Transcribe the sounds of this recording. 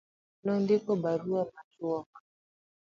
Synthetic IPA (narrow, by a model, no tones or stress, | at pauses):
nɔndikɔbaɾuamatuɔka